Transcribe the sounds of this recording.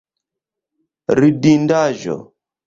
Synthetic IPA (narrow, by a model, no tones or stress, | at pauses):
ɾidindaʒɔ̰